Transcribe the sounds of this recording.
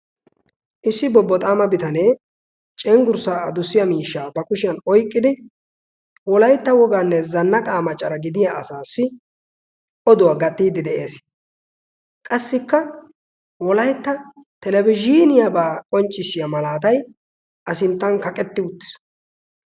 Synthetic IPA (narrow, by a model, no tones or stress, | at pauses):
ʔɪsːɪbɔbːɔt̪ʼaːmɐbɪt̪ɐneː | t͡ʃʼɛŋɡʊɾsaːɐd̪ʊsːɪjɐmiːʃːaːbɐkʊʃɪjɐnɔjkʼːɪd̪ɪ | wɔlɐjt̪ːɐwɔɡaːnːɛzɐnːɐkʼaːmɐt͡ʃʼːɐɾɐɡɪd̪ɪjaʔɐsaːsːɪ | ʔɔd̪ʊwaɡɐt̪ʼːiːd̪ːɪd̪ɛʔeːs | kʼɐsːɪkːɐ | wɔlɐjt̪ːɐt̪ɛlɛbɪd͡ʒiːnɪjabaːkʼɔnt͡ʃʼːɪsːɪjɐmɐlaːt̪̬ɐj | ʔɐsɪnt̪ːɐnkɐkʼɛt̪ːɪʊt̪ːɪ̥s